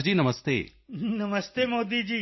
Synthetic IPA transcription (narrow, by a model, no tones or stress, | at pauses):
d͡ʑiːnɐməst̪ḛː | nɐməst̪eːmoːd̪id͡ʑiː